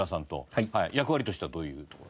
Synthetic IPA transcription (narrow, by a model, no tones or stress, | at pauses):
asãnt̪o̞̰haijakɯ̟βaɾʲit̪o̞ɕi̥t̪ead̪oːjɯ̟ːt̪okoɾ